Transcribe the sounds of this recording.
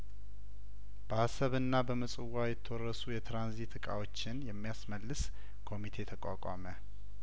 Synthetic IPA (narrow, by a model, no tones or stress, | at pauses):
b̥əhasəβɨnːabəməsʼɨwːajɛt̪ʰːəwɔrːəsujɛt̪ʰɾanzit̪ʰɨkʼa̰wo̞t͡ʃːɪnjɛmːijasməlːɨs | kʰo̞mit̪ʰe̞t̪ʰəkʷʼakʼa̰mə